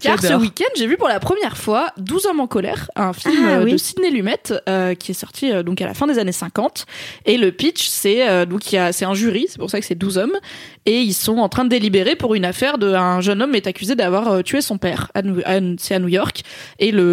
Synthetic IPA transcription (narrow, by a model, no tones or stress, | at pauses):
kaaʁsəwikʲɛ̃nd̪ʒevypuʁlapχəmjɛʁfwad̪uzɔmɑ̃kɔlɛ̰ʁɛ̃filmøəsid̪nelymɛt̪økʲʰiɛsɔʁt̪ʰiød̪ɔ̃kalʔa̰fɛ̃d̪ezanesɛ̃kɑ̃t̪eləpitt͡ʃsɛød̪ɔ̃kijasɛt̪ɛ̃ʒyʁisɛ̥puʁsakə̥sɛd̪uzɔm | eilsɔ̃ɑ̃t̪χɛ̃d̪əd̪elibeʁepuʁynafɛʁd̪əɛ̃ʒənɔmːɛt̪akʲyzed̪avwaʁøt̪yesɔ̃pɛʁa̰uasɛanujɔʁkelə